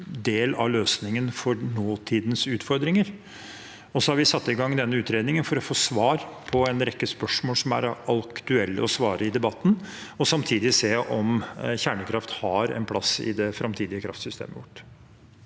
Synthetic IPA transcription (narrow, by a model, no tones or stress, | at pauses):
d̪eːlɑ̰løːsnɪŋənfɔɾnoːt̪ʰiːd̪nsʉːt̪fɔɾd̪ɾɪŋəɾ | ɔsɔhɑɾʋɪsɑt̪ːɪɡɑŋːd̪ɛnːəʉːt̪ɾeːd̪nɪŋənfɔɾɔfoːsʋɑːɾpʰɔɛnɾɛkːəspœʂmoːlsɔmæ̰ɾɑlkt̪ʉɛlːə̰ɔsʋɑːɾʔəɪd̪ɛbɑt̪ːn̩ɔsɑmt̪ʰiːd̪ɪseːʔɔmçæːɳəkʰɾɑft̪hɑɾɛ̰npʰlɑsɪ̰d̪ɛfɾʔɑmt̪ʰiːd̪ɪəkʰɾɑ̰ft̪sʏst̪ʰḛːmə̰ʋʊʈː